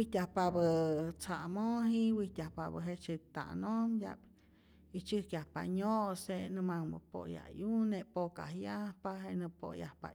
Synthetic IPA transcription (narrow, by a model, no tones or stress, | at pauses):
wiht̪ʲahpabət͡saʔmoɦiwit̪ʲahpabəɦet͡ʃet̪a̰nomja̰p | it͡ʃɨhkjahpa̰ɲoʔsenɨmaŋmə̰po̰ja̰juneʔpoka̰hjahpaɦenɨpo̰jahpa̰